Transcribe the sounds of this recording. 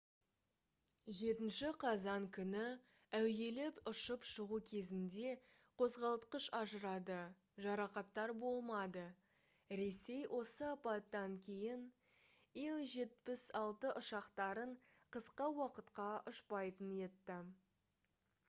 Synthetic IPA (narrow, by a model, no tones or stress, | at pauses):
ʒe̞t̪ɪnʃɪqʰɑzɑŋkʲʰʏnɪ | æwje̞lɪpʊʃəpʃəʁukʲʰe̞zɪnd̪e̞ | qʰo̞zʁɑlˠət̪qəʃɑʒəɾɑd̪ə | ʒɑɾɑqɑt̪ːɑɾbo̞lˠmɑd̪ə | ɾe̞se̞jwʔo̞səɑpɑt̪ːɑŋkʲʰe̞jɪn | elˠʒe̞t̪̚pɪsɑlˠt̪əʔʊʃɑqt̪ɑɾəɴ | qʰəsqɑwɑqət̪qɑʔʊʃpɑjt̪ənje̞t̪ːɪ